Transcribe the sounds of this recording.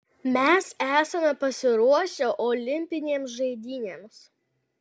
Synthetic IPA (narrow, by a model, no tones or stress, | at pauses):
mʲɛsæːsɐmʲɛpɐsʲɪɾuɔʃʲoːʔɔːlʲɪmʲpʲɪnʲeːmsʒɐɪd̪ʲiːnʲeːms